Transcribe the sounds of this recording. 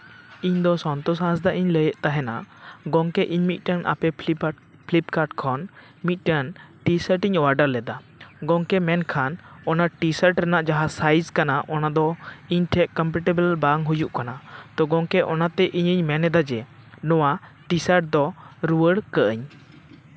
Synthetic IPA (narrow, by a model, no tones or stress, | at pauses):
iɲd̪ɔsɔnt̪ɔsãs̬d̪aʔiɲləjəʔt̪aɦɛna̰ʔɡɔŋkɛʔiɲmit̪̚ˀʈənʔa̰pɛ | pʰlipkaɾʈkʰɔn | mit̪̚ˀʈənʈisəɾʈiɲwaɾɖəɾlɛd̪a | ɡɔŋkɛmɛnkʰanɔnaʈisaɾʈɾɛnaʔd͡ʒaɦasajd͡ʒkanaʔɔnad̪ɔiɲʈʰɛʔkɔmpɛʈɛbəlbaŋɦujuʔkanat̪ɔɡɔŋkɛʔɔnat̪ɛʔiɲəɲmɛnɛd̪ad͡ʒɛ | nɔwa | ʈisaɾʈ̚d̪ɔɾuwəɽkəʔəɲ